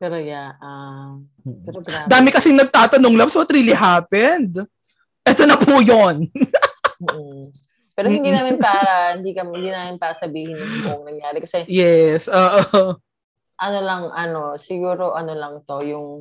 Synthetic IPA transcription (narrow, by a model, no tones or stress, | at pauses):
pɛɾɐjaʔɐ | ɛad̪aːmɪkɐsɪŋnɐɡ̚t̪aːt̪ɐnoŋlɐbswɐt̪ɾiːliɦaːpɛnd̪ | ʔɛːt̪onɐpujonː | pɛːɾoɪnd̪iːnaːmɪnpaːɾɐhɪnd̪ikɐmhɪnd̪iːnaːmɪnpaːɾɐsɐbiːhɪnjʊoʔŋnɐŋjaːɾɛkɐsɛjɛsʔoːʔoo | ʔɐnolɐŋʔɐno̞sɪɡuːɾo̞ʔɐnolɐŋt̪o̞jʊŋ